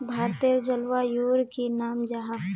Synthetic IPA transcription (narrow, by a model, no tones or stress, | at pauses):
bʱaːɾt̪eɾd͡ʒɐlʋajuːɾkinaːmd͡ʒaɦa